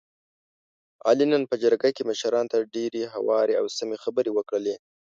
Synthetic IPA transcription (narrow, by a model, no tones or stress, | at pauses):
ɑ̰linənpəd͡ʒəɾɡakeməʃɾɑnt̪aɖeɾeɦawɑɾeawsamexabəɾewəkɽəle